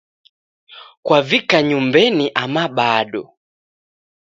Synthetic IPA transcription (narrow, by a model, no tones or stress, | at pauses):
kwavikaɲumbɛniʔamaɓaɗɔ